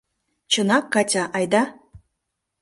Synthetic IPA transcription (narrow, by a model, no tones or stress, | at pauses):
t͡ɕɤ̆nɑkːɑtʲɑʔɑjd̪ɑ